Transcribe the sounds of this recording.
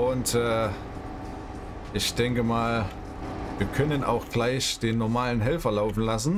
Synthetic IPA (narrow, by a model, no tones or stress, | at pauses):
ʔʊntɛː | ʔɪçd̥ɛŋkəmaːl | viːɐkʰœnəna̰ʊxɡ̥laɪçd̥eːnːɔɐmaːlənɦɛlfɐlaʊfn̩las̬n̩